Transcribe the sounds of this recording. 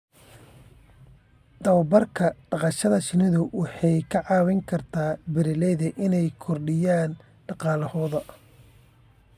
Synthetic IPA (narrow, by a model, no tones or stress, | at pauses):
d̪̥ɐwbɐrkʰɐɖɑqɑʃɐðɐt͡ʃɪnɪðʊwɑħɑjkʰɐʕɑːwɪŋkʰɐrt̪ʰaːbɪɾɪlɛjðɛʔɪnɛjkʰɔrɖɪjaːn | ɖɑqɑːlɐhɔːðɐ